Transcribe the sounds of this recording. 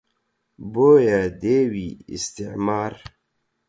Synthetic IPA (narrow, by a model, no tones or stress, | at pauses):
boːjad̪ewiḭst̪iʕmaːɾ